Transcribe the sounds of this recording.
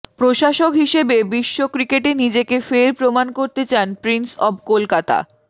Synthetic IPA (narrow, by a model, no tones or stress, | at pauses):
pɾoʃaʃokɦiʃebebiʃːokɾikeʈenid͡ʑekefeɾpɾomankoɾt̪et͡ɕanpɾinsɔbkolkat̪a̰